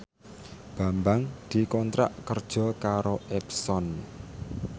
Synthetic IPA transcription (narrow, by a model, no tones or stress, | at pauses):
b̥a̤mbaŋd̪̥i̤kɔnt̪ɾa̰ʔkərd̥ʒ̥ɔ̤kaɾoʔɛpsɔn